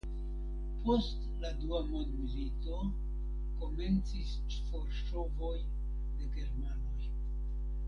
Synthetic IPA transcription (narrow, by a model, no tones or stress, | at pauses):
po̞st | laduamondmilito̞ | ko̞me̞nt͡sis | t͡ʃfoɾʃo̞vo̞j | de̞ɡe̞ɾmano̞j